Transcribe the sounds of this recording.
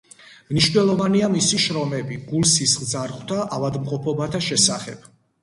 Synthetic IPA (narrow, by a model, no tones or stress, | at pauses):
mniʃvnɛlˠɔvaniamisiʃɾɔmɛbiɡulˠsisχzaɾʁwt̪ʰaʔavad̪mqʼɔpʰɔbat̪ʰaʃɛsaχɛb̥̚